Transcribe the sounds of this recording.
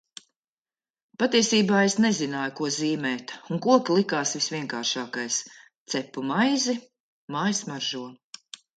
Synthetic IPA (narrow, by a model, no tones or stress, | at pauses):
pat̪iɛsiːbaːesnɛzinaːjukuɔziːmɛːt̪uŋkuɔkʲlˠikaːsvisvʲiɛŋkaːɾʃaːkajs | t̪sɛpːumajzi | maːjsmaɾʒuɔ